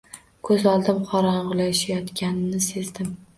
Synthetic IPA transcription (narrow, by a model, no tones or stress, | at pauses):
kʰɵzɒlˠd̪ɪmqʰɒɾanʁʊlˠaɪʃajɒt̪kʲanɪnɪse̞zd̪ɪm